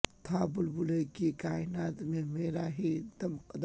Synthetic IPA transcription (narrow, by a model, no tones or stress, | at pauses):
t̪ʰaːbʊlbulekikaːɪnaːt̪mẽmeːɾaɦit̪ɐmqɐd̪